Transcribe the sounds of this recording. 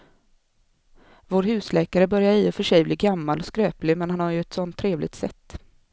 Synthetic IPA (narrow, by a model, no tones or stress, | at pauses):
voːɾhʉ̟ːslɛːkaɾəbœɾjaɾiːɔfœʂɛjbliːɡamːalɔskɾøːplɪmɛnhanhaɾjɵɛt̪sɔnt̪ʰːɾeːvlɪɡ̚t̪sɛt̪ː